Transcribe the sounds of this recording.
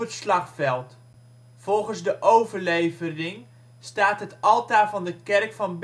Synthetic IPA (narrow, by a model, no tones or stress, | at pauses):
ətslɑχfɛlˠt | fɔlˠχənzdəʔowvəɹlejvərɪŋ | staːtɦətɑlˠtaːvɑndəkɛrkfɑnb